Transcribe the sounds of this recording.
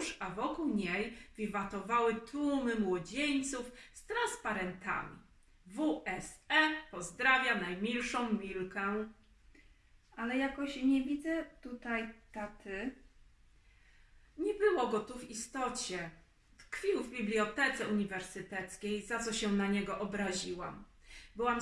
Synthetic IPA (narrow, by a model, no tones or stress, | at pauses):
ʂavɔkuwɲejvʲivat̪ɔvawɘt̪umɘmwɔd͡ʑeɲt̪sufst̪ɾanspaɾɛnt̪a̰mʲḭ | vuʔɛsɛpɔzd̪ɾavʲjanajmʲilʂɔ̃w̃mʲilkɛ | alɛjakɔɕɲɛvʲid̪zɛt̪ut̪ajt̪at̪ʰɘ | ɲɛbɘwɔɡɔt̪uvist̪ɔt͡ɕɛ | t̪kfʲiwvbʲiblʲiɔt̪ɛt̪sɛuɲivɛɾsɘt̪ɛt̪skʲejzat̪sɔɕɛnaɲɛɡɔʔɔbɾaʑiwam | bɘwam